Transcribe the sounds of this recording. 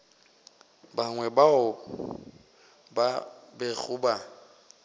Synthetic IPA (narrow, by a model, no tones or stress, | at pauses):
baŋwɛbaʊ | babeɣʊba